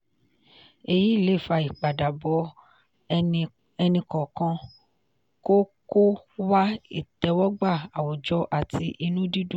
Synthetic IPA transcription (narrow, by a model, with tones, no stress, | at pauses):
e˧ji˨˦i˦˨le˨˦˨fa˨˧i˨k͡pa˨da˨bɔ˨˦ | ɛ˧nĩ˧kɔ̃˨kã˧ | ko˦ko˦wa˦ḭ˦˨tɛ˨˦wɔ˦ɡ͡ba˦˨a˨wɔ˨d͡ʒɔ˧˦ʔa˨tʰi˧ʔi˧nũ˦di˦dũ˦˨